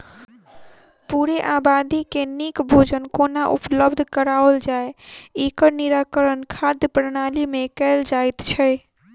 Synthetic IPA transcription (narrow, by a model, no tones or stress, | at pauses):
puɾeʔabad̪ikenikbʱod͡ʒənkonaʔṵpləbd̪ʱkəɾaold͡ʒaeekəɾniɾakəɾənkʰad̪jəpɾənalimekɛld͡ʒajt̪t͡ʃʰə